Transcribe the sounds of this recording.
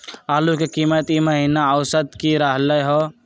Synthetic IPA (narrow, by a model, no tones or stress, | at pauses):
aːlukekimət̪iməɦinaəʊsəd̪kiɾəɦləjɦo